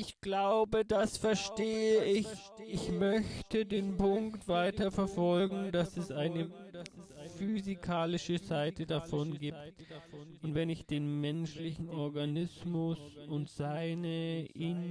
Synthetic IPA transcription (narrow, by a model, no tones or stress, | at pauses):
ɪçɡ̥laʊbədasfɛɐʃteːəʔɪç | ʔɪçmœçtədeːnpʊŋkktv̥aɪtɐfɛɐfɔlɡŋ̩dasɛsʔaɪnə | fyzikʰaːlɪʃəzaɪtədafɔnɡiːp̚t | ʊntvɛnɪçd̥eːnmɛnʃlɪçn̩ɔɐɡanɪsmʊsʊntz̥aɪnəʔin